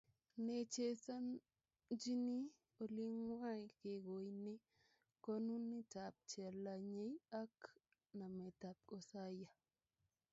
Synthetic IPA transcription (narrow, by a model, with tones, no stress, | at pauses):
ne˨t͡ʃe˦sa˦n | d͡ʒi˦ni˦ | o˨li˦ŋwa˦ke˨ɡo˨ini˦ | ko˦nu˦nːi˦ta˨p̚t͡ʃɛ˨la˨ɲe˦ja˦k | na˨me˨ta˨p̚kosa˦ja˨